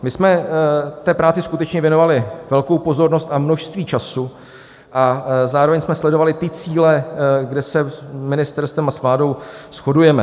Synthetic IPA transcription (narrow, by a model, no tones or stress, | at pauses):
mɪsmɛt̪ɛːpɾaːt͡sɪskut̪ɛt͡ʃɲɛvjɛno̞valɪvɛlko̞wpo̞zo̞ɾno̞st̪amno̞ʃst̪viːt͡ʃasu | ʔazaːɾo̞vɛɲsmɛslɛdo̞valɪt̪ɪt͡siːlɛɡdɛsɛsmɪnɪst̪ɛɾst̪vɛmasvlaːdo̞wsxo̞dujɛmɛ